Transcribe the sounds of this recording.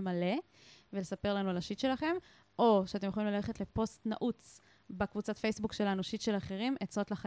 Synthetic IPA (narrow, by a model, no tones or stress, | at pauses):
male̞ | velesape̞ʁlanualaʃit̪ʃe̞laχe̞m | o̞ʃeat̪̬emjeχolimlale̞χetle̞po̞stna̰ʔut͡s | bekvut͡satfejsbukʃe̞lanuʃit̪ʃe̞laχe̞ʁimʔet͡so̞tlaχa